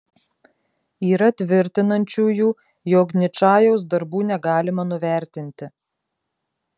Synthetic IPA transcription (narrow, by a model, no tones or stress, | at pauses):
iːɾɐt̪ʲʋʲɪɾʲt̪ʲɪnɐnʲt͡ʃʲuːjuː | joːknʲɪt͡ʃɑːjoʊsd̪ɐɾbuːnʲɛɡɑːlʲɪmɐnʊʋʲæˑɾʲt̪ʲɪnʲt̪ʲɪ